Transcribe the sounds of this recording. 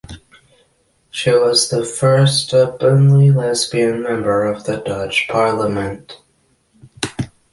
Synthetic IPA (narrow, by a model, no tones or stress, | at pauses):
ʃiwʌzðəfɜ˞stʌbə̃nlilɛzbiɨ̃nmɛ̃mbə˞ʌvðɨdʌt͡ʃpʰɑɹlˠəmɨ̃nt